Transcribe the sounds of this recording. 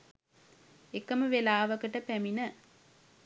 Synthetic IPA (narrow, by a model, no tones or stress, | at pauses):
ekəməʋelaːʋəkəʈəpæminə